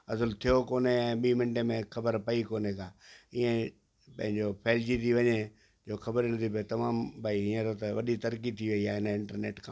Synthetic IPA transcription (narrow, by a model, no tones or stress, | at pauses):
ɐzəlt̪ʰijokoːneɛ̃ːɓiːmɪ̃ɳʈemẽxɐbəɾpɐikoːnekʰãːiːẽ | pɐ̃ɦɪ̃ɲd͡ʑopʰeːld͡ʑit̪ʰiʋɐɲe | d͡ʑoːxɐbəɾnɐt̪ʰip̬ɐet̪ɐmaːmbʱaːiĩẽt̪ot̪ɐʋɐ̰ɗit̪ɐɾkit̪ʰiʋɐiaːɦɪnəɪ̃ɳʈəɾnḛːʈkʰãː